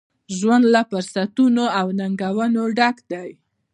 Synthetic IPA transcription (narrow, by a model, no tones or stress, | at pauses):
ʒwand̪lapəɾsat̪unoawnaŋɡawənoɖakd̪aj